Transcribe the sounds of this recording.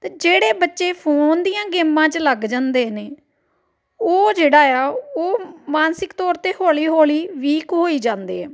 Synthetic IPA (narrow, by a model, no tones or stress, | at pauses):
t̪ːd͡ʒeːɽeːbətːʃeːpʰoːnd̪ijãːɡeːmãːt͡ʃləɡd͡ʒãːnd̪eːneː | oːd͡ʒeːɽaːjaːoːmaːnsɪkt̪ɔːɾt̪eːhoːliːɦoːliːʋiːkɦoːiːd͡ʒãːnd̪eːɛː